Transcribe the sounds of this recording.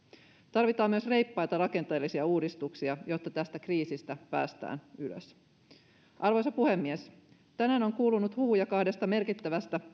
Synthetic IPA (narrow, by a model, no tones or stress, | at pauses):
t̪ɑrʋit̪ɑːmːyøsre̞jpːɑjt̪ɑrɑke̞nt̪e̞ːlːisiɑuːdist̪uksiɑjo̞t̪ːɑt̪æst̪ækriːsist̪æpæ̰ːst̪æ̰ːnylø̰s | ʔɑrʋojsɑpuhe̞mːies | t̪ænæːno̞ŋkuːlunut̪huːujɑkɑhde̞st̪ɑme̞rkit̪ːæʋæst̪æ